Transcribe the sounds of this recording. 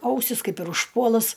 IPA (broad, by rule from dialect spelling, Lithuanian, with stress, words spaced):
ˈɐʊsʲɪs ˈkɐɪp ɪr ʊʃˈpuɔlˠʊs